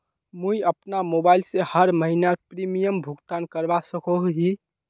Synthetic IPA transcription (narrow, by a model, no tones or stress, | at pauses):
muiəpnamobailsehəɾməɦinaɾpɾimijəmbʱuɡt̪ankəɾbasəkoɦɦi